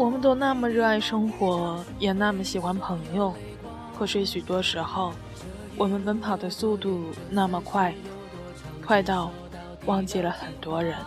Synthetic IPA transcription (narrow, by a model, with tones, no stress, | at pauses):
wɔ˨˩mə˦nt̪̬o˥ʊna˥˩mə˨ɻɤ˥˧a˥˩ɪʂɤ˥ŋxwɔ˧˥jɛ˨˩na˥˩mə˨˩ɕi˨˩xwa˥npʰɤ˧˥ŋjo˥˧ʊ | kʰwɤ˥˩ʂwe˥ɪɕy˨˩t̪wɔ˥ʂɻ̩˧˥xo˥˩ʊ | wʔɔ˨˩mə˧˦nfə˥npʰɑ˨˩ʊd̪ə˦su˥˧t̪u˥˩na˥˩mə˨˩kʰwa˥˧ɪ | kʰwa˥˧ɪt̪ɑ˥˩ʊ | wɑ˥ŋt͡ɕjɛ˥˩lə˦xə˨˩nt̪wɔ˥ɻə˧˥n